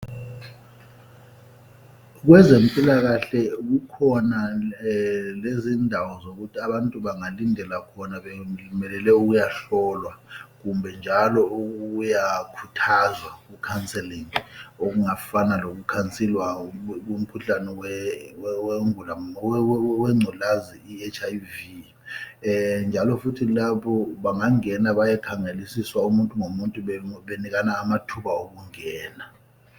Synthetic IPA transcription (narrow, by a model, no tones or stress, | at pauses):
k̬wɛzempʼilak̬aɬɛk̬ukʰɔna | lezindʱawɔzok̬utʰiaɓantʼuɓaŋalindʱɛlakʰɔnaɓelmɛlɛlɛuk̬ujaɬɔlwak̬umbʱɛnd͡ʒʱalɔuujakʰutʰazwak̬ukʰant͡sʼɛliŋok̬uŋafanalok̬ukʰant͡sʼilwak̬um̩kʰuɬanɛwɛwweŋula | wɛŋ͡ǀʱulaziiɛt͡ʃʰajvi | nd͡ʒʱalɔfutʰilaɓɔɓaŋaŋɛnaɓajɛkʰaŋelisiswaumuntʼuŋomuntʼuɓɓenik̬anaːmatʰuɓaok̬uŋɛːna